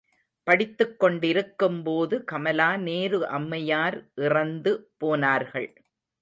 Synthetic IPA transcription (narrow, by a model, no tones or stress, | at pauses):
pɐɽɪt̪ːɯkːɔɳɖɪɾɯkːɯmpoːðɯkɐmɐlaːneːɾɯʔɐmːɐjaːɾʔɪrɐnd̪ɯpoːnaːɾɣɐɭ